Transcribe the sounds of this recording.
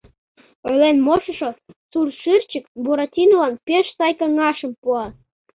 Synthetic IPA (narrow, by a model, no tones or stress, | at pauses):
ølenmoʃə̆ʃosurʃyrt͡ɕəkbuɾɑtʲinolɑnpeʃsɑjkɑŋɑʃəmpuɑ